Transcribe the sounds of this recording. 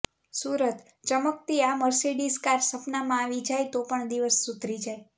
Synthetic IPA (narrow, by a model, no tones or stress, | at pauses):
suɾət̪ | t͡ʃəmək̚t̪iaməɾseɖiskaɾsəpnamãːʋid͡ʒajt̪opəɳd̪iʋəsːut̪ɾid͡ʒaj